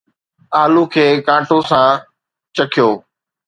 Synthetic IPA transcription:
aːlukʰeːkãːʈosãː | t͡ɕəkʰɪjoː

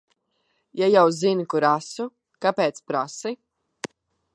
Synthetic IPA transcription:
jajawzinikuɾasu | kapeːt̪spɾasi

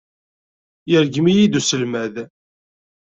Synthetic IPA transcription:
jəɾɡmijid̪usəlmæð

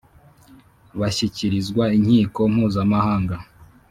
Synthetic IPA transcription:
βaçiciɾizɡwaiɲhiːko̞m̥huːzamahaːŋɡa

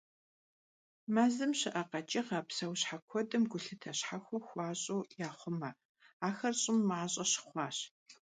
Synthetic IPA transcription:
maːzɨmɕɪʔɐqɐt͡ʃʼɪʁɐpsɐwɕħakʷʰɔdɨmɡʷʊɬɨtʰɐɕħaxʷɔxʷɑːɕʼoːjaːχʷʊmɐ | aːxɐrɕʼɪmːaːɕʼɐɕɪ̥χʷɑːɕ

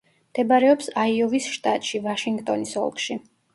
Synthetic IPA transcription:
md̪̥ɛbaɾɛɔpsaiɔvisʃt̪ʼat̪ʼʃivaʃiŋɡt̪ʼɔnisɔ̰lˠkʰʼʃi

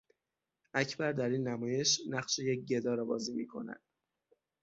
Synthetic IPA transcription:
ʔæcʰbæɾd̪æɾiːnːæmɒːje̞ʃnæχʃejec̚ɟe̞d̪ɒːɾɒːbɒ̰ːziːmiːkʰo̞̰næ̰d̪̥

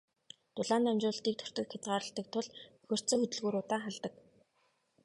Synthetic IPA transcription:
t̪ʊɮaːnamt͡ɕʊːɬt̪iːk̚t̪ʰɵ̥r̥t̪ɵ̆kxɪt̪ɢaːɾə̆ɬt̪ə̆k̚t̪ʰʊɮɵxʲɵ̆r̥t͡sɵːxɵt̪ɵ̆ɮɣuːɾʊːt̪aːχaɮt̪ə̆k

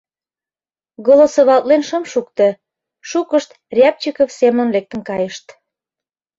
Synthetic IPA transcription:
ɡolosoβɑlt̪lenʃɤmʃukt̪e | ʃukəʃt̪ | rʲɑp̚t͡ɕikofsemə̆nlek̚t̪ə̆nkɑjəʃt̪

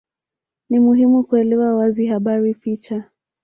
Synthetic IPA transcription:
nimuɦimukuɛlɛwawaziɦaɓaɾifit͡ʃa

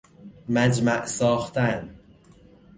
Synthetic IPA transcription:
mæd͡ʒmæʔsɒːxt̪ʰæn

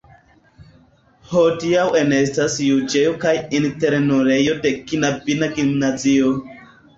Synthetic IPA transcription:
hodiawenestasjud͡ʒejokajinteɾnoɾejodekinabinaɡimnazio

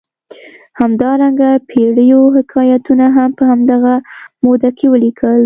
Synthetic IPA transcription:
hamd̪ɑɾaŋɡapʰeɽəjoɦɪkʰɑjat̪unaɦampəhamd̪aɣamod̪akʰewəlikʰəl

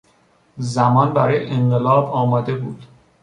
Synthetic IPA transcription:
zæmɒːnbæɾɒːjeʔeɴɢelɒːbɒːmɒːd̪e̞buːd̪

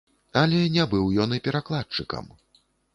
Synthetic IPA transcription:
ɐlʲɛnʲɛbɨwjɔnɨpʲɛɾaklˠat͡ʂɨkɐ̰m

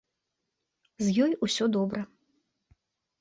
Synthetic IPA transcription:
zʲjɔjusʲɔd̪ɔbɾɐ

